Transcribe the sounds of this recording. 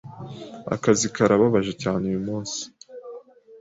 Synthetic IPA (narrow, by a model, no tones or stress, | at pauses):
a̰kazikaɾaβaβaʒecaːneujumuːnsi̥